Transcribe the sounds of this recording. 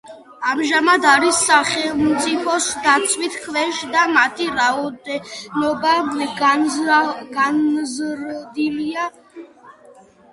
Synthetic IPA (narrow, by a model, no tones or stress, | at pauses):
amʒamad̪aɾisːaχɛlˠmt̪sʼipʰɔsd̪at̪sʼʰwit̪ʰkʰvɛʃd̪amat̪ʰiɾaɔd̪ɛnɔba | ɡanzɾd̪ilia